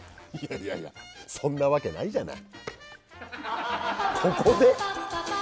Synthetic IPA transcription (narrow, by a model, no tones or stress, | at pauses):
jaja̰ja̰sõ̞nːaβake̞na̰iʑana̰i | kʰo̞ko̞d̪e̞